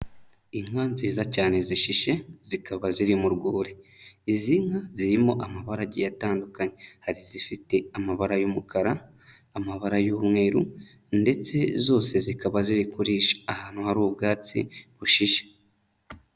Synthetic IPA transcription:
iŋ̥ɡaːnziːzacaːne̞ziʃiʃe̞z̥ikaβaziɾimuɾɡuːɾiiziŋaziɾimo̞ʔamaβaɾaɟḛjataːndukaɲe̞haɾizifite̞amaβaɾajomukʰaɾaː | maβaɾajuːmŋe̞ːɾṵ | nde̞t͡se̞zo̞ːse̞zikaβaziɾikuɾiːʃḁːhaːn̥huhaɾuːbɡaːt͡sḭβuʃiʃe̥

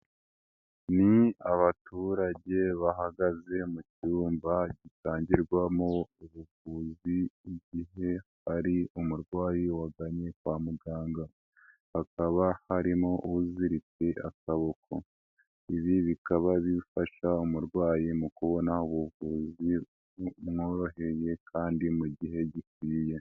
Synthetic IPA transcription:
niaβatuɾaɟe̞βaɦaɡaze̞mucuːmbaɟitaːɲɟiɾɡwamo̞uβuvuːziːɟiɦe̞ | aɾiumuɾɡwaːjiwaɡaɲekwaːmuɡaːŋɡa | hakaβahaɾimo̞ʔuuziɾit͡seʔakaβokʰo̞ | iβiβikaβaβifaʃaumuɾɡwaːjimukuβo̞nauβuvuːzi | mŋoːɾo̞ɦe̞je̞kʰaːndimuɟiɦe̞ɟik̚wiːje̞

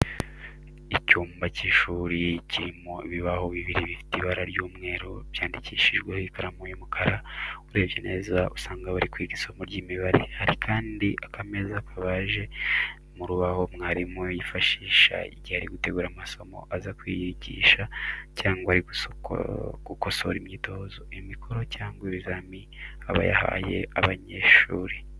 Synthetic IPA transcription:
icuːmbaciːʃuːɾiciɾimoiβiβaho̞βiβiɾiβifi̥tiβaɾaɾjuːmŋe̞ːɾoβjaːndiciːʃiʒɡwehoikaɾamujumukʰaɾauɾe̞ːβje̞ne̞ːzausaːŋɡaβaɾikwiɡisomoɾɟiːmiβaɾe̞̰haɾikʰaːndiʔakʰame̞zakʰaβaʒe̞ | muɾuβaho̞mŋaːɾimujifaʃiːʃa̰ḭɟihaɾiɡute̞ɡuːɾamaso̞mo̞̰ʔazakwiːjiɟḭːʃacaːŋɡwaaɾiɡṵ | ɡ̥uko̞so̞̰ɾimɲiːtozo̞imikʰo̞ɾo̞caːŋɡweβizami | aβa̰ja̰ha̰je̞̰ʔaβaɲe̞ːʃuːɾi

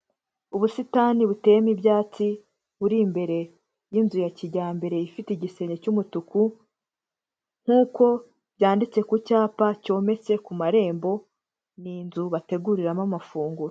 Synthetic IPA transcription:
uβusitaːniβute̞jemibjaːt͡si | βuɾimbe̞ɾe̞ | jinzujaciɾɟaːmbe̞ɾe̞ifiteɟise̞ɲecumutuku | ŋ̥huːko̞ | bjaːndit͡se̞kucaːpaco̞ːme̞t͡se̞kumaɾe̞ːmbo̞ | niːnzuβate̞ɡuɾiɾamamafuːŋɡuɾo

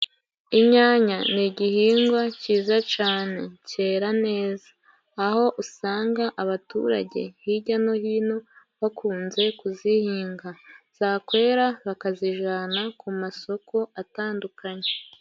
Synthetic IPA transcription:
imɲaːɲaniɟihiːŋɡwaciːzat͡ʃaːne̞ce̞ːɾane̞ːzḁː | ho̞ʔusaːŋɡaʔaβatṵɾa̰ɟe̞̰hiɟano̞hiːno̞ | βakuːnze̞kuzihiːŋɡaz̥akwe̞ːɾaβakaziʒanakumaso̞ko̞ataːndukaɲe̞

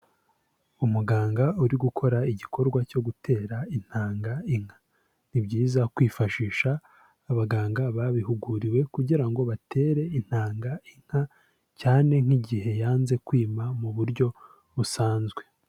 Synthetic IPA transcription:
umuɡaːŋɡauɾiɡukʰo̞ɾaiɟikʰo̞ɾɡwaco̞ɡutʰe̞ːɾain̥haːŋɡaiŋ̥hḁ | n̥ibɟiːzakwiːfaʃiːʃaː | βaɡaːŋɡaβaβiɦuɡuɾiwe̞kuɟiɾaŋɡo̞βate̞ːɾe̞in̥haːŋɡaiŋ̥ha | caːne̞ŋ̥hiɟihe̞jaːnze̞kwiːmamuβuɾɟo̞ | βusaːnzɡwe̞

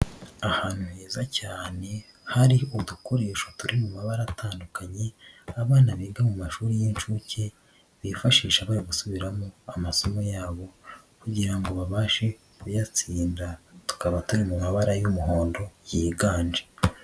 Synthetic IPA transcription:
ahaːn̥uheːzacaːne̞ | haɾioduko̞ɾe̞ːʃotuɾimumaβaɾatʰaːndukʰaɲe̞aβaːnaβiːɡamumaʃuːɾijint͡ʃuːce̞ | βifaʃiːʃaβaːɾiɡusuβiɾamoamaso̞mo̞jaːβo̞ | kuɟiɾaŋɡo̞βaβaːʃe̞ | kujat͡siːndatu̥kaβatuɾimumaβaɾajumuɦo̞ːndo̞jiːɡaːɲd͡ʒe

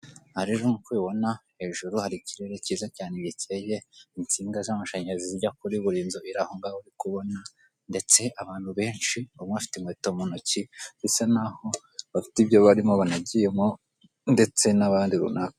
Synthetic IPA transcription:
haɾeɾomukwiːβo̞nahe̞ːʒuɾuhaɾiciɾe̞ɾe̞ciːzacaːneβicʰeje̞int͡siːŋɡazamaʃeːɲeziziɟakuɾiβuɾiːnzoiɾahoŋɡauɾikuβo̞na | nde̞t͡se̞ʔaβaːn̥huβe̞ːnʃiuŋweafi̥tiŋweːtomonociβisenaho̞ | βafi̥tibjo̞βaɾimoβanaɟijemo | nde̞t͡se̞naβaːndiɾṵnaka

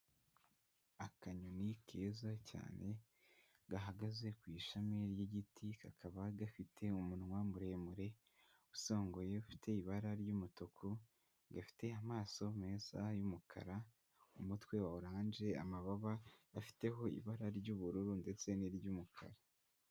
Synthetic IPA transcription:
akaɲunikʰeːzacʰa̰ːnʔe̞ | ɡ̥aɦaɡaze̞kwiːʃameɾjiɟitʰikakʰaβaɡafitʰe̞umunŋwamuɾe̞ːmuɾe̞ | uso̞ːŋɡoje̞ufi̥tʰe̞iβaɾaɾɟumutokʰo | ɡafi̥te̞amaːso̞me̞ːzajumukʰa̰ɾa | umutwe̞wauɾaːnd͡ʒe̞a̰maβaβaafi̥te̞ɦo̞ḭβaɾaɾɟuːβuɾuɾunde̞t͡se̞niɾɟumukʰa̰ɾa

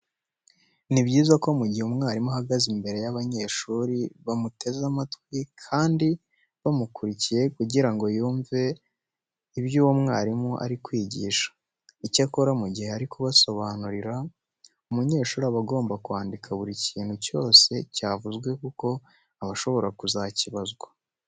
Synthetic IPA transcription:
nibɟiːzako̞muɟihumŋaːɾimuɦaɡazimbe̞ɾe̞jaβaɲe̞ːʃuːɾiβamute̞zamatkwikʰaːndi | βamukuɾicije̞kuɟiɾaŋɡo̞juːɱve̞ | iβjuːwomŋaːɾimuʔa̰ɾikwiːɟḭːʃḁ | icako̞ɾamuɟihe̞aɾikuβaso̞βanuɾiɾa | umuɲe̞ːʃuːɾaβaɡo̞ːmbakuwaːndikʰaβuɾiciːnhuco̞ːse̞caːvuzɡwe̞kuko̞ | aβaʃo̞βo̞ɾakuzaciβazɡwa

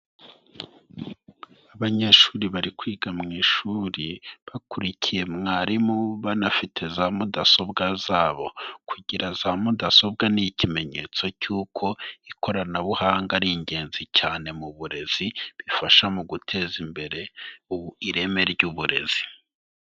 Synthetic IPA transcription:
aβaɲe̞ːʃuːɾiβaɾikwiːɡamŋiːʃuɾiβakuɾicʰije̞mŋaːɾimuβanafitʰe̞zaːmudaso̞bɡazaːβo̞kʰuɟiɾazaːmudaso̞b̚ɡanicime̞ɲe̞t͡so̞cuːkʰo̞iko̞ɾanaβuhaːŋɡaɾiɲɟe̞ːnzicaːne̞muβuɾe̞z̥iβifaʃamuɡutʰe̞ːzimbe̞ɾe̞uβuiɾe̞me̞ɾɟuβuɾe̞̰z̥i

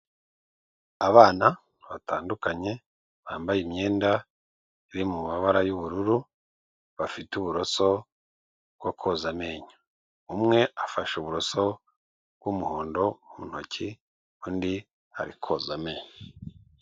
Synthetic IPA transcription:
aβaːna | βatʰaːndukaɲe̞ | βaːmbajimɲe̞ːnda | iɾimumaβaɾajuβuɾuɾu | βafituβuɾo̞so̞ | ɡ̥ɡwokʰozame̞ːɲo̥ | umŋe̞afaʃuβuɾo̞so̞ | ɡ̥ɡumuho̞ːndo̞umun̥ho̞cʰi | kundi | ha̰ɾikʰozame̞ːɲo

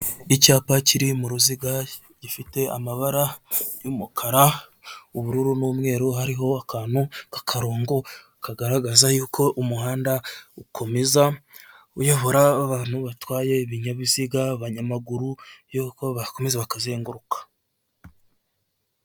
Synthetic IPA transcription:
icaːpaciɾimuɾuziɡa | ɟifite̞a̰maβaɾajumukʰaɾauβuɾuɾunuːmŋe̞ːɾuɦaɾiɦo̞akʰaːn̥hukḁkʰaɾoːŋɡo̞ | kaɡaɾaɡazajuːkʰo̞ʔumuɦaːndaukʰo̞meza | ujoβo̞ɾaːβaːn̥huβatwaːje̞βiɲaβiziɡaβaɲamaɡuɾujoko̞βako̞mezeβakazeːŋɡuɾukḁ

